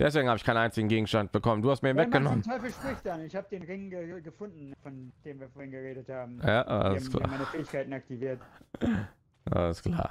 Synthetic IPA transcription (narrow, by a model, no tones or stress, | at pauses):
d̥ɛsv̥eːɡŋ̩haːbəɪçkʰaɪnʔaɪnt͡sɪɡŋ̩ɡeːɡŋ̩ʃtant̚b̥əkʰɔmənduːhastmiɐiːnvɛk̚ɡ̥ənɔməntʰɔʏfl̩ʃpʁ̥ɪçd̥anɪçhaːbədeːnʁɪŋɡəɡəfʊndn̩fɔnd̥eːmviːɐfoːɐhɪnɡəʁeːdəthaːbm̩jaːa̰ləskʰl̥a̰ːmaɪnəfɛːɪçkʰaɪtn̩ak̚tiviːɐt | ʔa̰ləskl̥a̰ː